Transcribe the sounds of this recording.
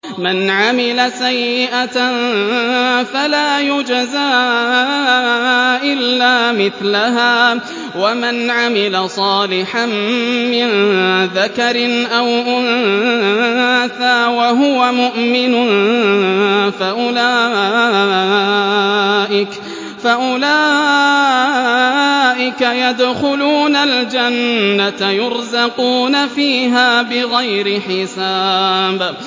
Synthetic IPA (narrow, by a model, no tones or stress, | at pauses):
manʕamɪlasajːɪʔa | falaːjʊd͡ʒazaː | ʔɪlːaːmɪθlaɦaː | wamanʕamɪlasˤɑːlɪħammɪnðakɑɾɪnʔawʔʊn | θaːwaɦʊwamʊʔmɪnʊn | faʔʊlaː | ʔɪk | faʔʊlaː | ʔɪkajad̪xʊluːnald͡ʒanːat̪jʊɾzɑquːnafiːɦaːbɪɣajɾɪħɪsaːb